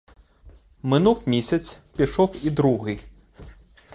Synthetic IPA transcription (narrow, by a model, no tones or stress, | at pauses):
mɪnuwmʲisʲɐt̪sʲpʲiʃɔwid̪ɾuɦɪ